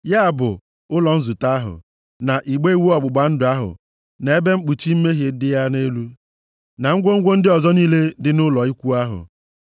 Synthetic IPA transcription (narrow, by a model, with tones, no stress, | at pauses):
ja˦a˨bʊ˨ | ʊ˦lɔ˨n̩˦zu˨ta˦ɦʊ̰˨ | na˨ʔi˨ɡ͡be˦i˦˨wu˦ɔ˨ɡ͡bʊ˨ɡ͡ba˨˦n̩˦dʊ˨a˦ɦʊ̰˨ | ne˨e˦be˦ŋ͡m̩˦k͡pu˨t͡ʃi˦m̩˦me˦ɦje˨˦dɪ˦ja˦ne˦lu˦ | na˨ŋ̩˦ɡʷo˦ŋ̩˦ɡʷo˦n̩˦dɪ˦ɔ˨zɔ˦niː˦le˦dɪ˦nʊ˦lɔ˨i˦kʷu˦a˦ɦʊ̰˨